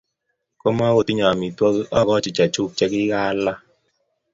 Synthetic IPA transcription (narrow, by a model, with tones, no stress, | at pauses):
kɔ˦ma˦wo˨ti˦ɲa˨a˨mi˨twɔ˦kʔɔ˦˨kɔ˦t͡ʃi˨t͡ʃa˨t͡ʃuː˦˨k̚t͡ʃɛ˦ki˦ɣa˦la˦